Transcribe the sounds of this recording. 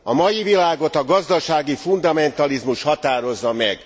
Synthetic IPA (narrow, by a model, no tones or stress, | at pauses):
ɒmɒjivilaːɡot̪ɒɡɒzd̪ɒʃaːɡifund̪ɒmɛnt̪ɒlizmuʃhɒt̪aːɾo̞zːɒmɛɡ